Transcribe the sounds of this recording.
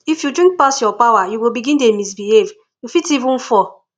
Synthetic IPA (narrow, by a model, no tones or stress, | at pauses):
ifjudɾĩŋk̚pasjɔpawajuwobiɡĩndemis̬biɦev | jufitivũnfɔ